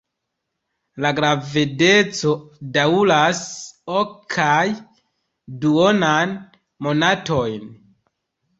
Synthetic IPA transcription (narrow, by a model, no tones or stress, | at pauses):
laɡɾavide̞t͡so̞daulasokʰaj | duo̞nan | mo̞nato̞jn